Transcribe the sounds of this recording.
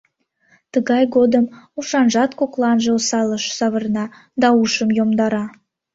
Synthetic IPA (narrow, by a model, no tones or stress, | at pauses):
t̪əɣɑjɣod̪əmuʃɑnʒɑt̪koklɑnʒeosɑləʃsɑβərnɑ | d̪ɑuʃəmjomd̪ɑɾɑ